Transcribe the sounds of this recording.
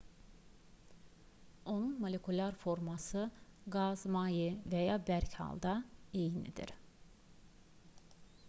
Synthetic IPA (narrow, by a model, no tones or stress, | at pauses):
o̞nunmo̞lʲe̞kʰulʲɑɾfo̞ɾmɑsɯɡɑzmɑːjivæjɑːbæɾcʰhɑ̰lˠd̪ɑejnḭd̪ḭɾ